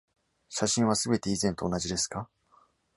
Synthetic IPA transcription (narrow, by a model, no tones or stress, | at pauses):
ɕaɕĩɰ̃βasɨbe̞t̪e̞izẽ̞nt̪o̞ːnaʑid̪e̞sɨ̥ka